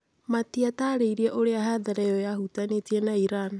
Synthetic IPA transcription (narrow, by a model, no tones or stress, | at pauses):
matiataːɾeiɾiaʔoɾeaɦaðaɾajɔjahutanetiɛnaiɾan